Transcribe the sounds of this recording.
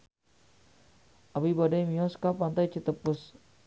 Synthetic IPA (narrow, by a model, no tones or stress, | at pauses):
abibadajmiɔskapant̪ajt͡ʃʰit̪əpːʊs